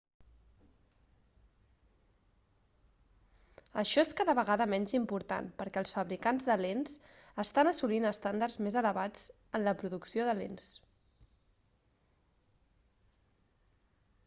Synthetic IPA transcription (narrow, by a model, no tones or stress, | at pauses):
əʃɔeskaðəβəɣaðəmɛɲʲzimpuɾt̪a̰npəɾkɛlˠsfəβɾikanzðəlensəst̪anəsulinəst̪and̪arzmezələβad͡z | ənləpɾuðuksioðəlḛns